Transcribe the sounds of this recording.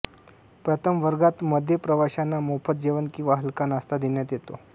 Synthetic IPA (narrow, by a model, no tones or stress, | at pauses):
pɾət̪ʰəmʋəɾɡat̪məd̪ʱjəpɾəʋaɕanːamofət̪̚d͡ʑeʋənkĩʋaɦəlkanast̪ad̪injat̪jet̪o̰